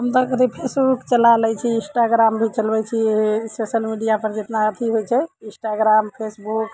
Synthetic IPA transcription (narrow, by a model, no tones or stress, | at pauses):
əmt̪əkət̪ipʰesbukt͡ʃəlalɛjt͡ʃʰiĩsʈaɡɾambʱit͡ʃəlbɛt͡ʃʰisosəlmiɖijapəɾd͡ʒet̪naət̪ʰiɦojt͡ʃʰɛĩsʈaɡɾampʰesbuk